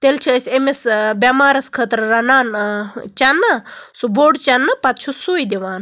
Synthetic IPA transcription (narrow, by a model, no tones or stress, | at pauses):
t̪elt͡ʃʰisʲemesbʲɐmaːɾɐskʰət̪ɾɾɐnaːnt͡ʃɐnːɐsuboːɖt͡ʃɐnːɐpɐt̪̚t͡ʃʰusuːjd̪iʋaːn